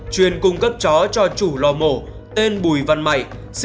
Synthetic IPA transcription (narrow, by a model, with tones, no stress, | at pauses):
t͡ɕwi˨˧˩ənkʊ˧ŋ͡mkə˦˥p̚t͡ɕɔ˨˦t͡ɕɔ˧t͡ɕu˧˩lɔ˧˩mo˧˩ | t̪e˧nɓu˧˩jva˧˩nma̰˧˨jʔ | s